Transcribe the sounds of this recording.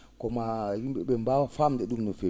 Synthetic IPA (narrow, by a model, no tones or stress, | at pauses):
kɔmajumbɛɓɛmbawfamdɛɗumnɔfe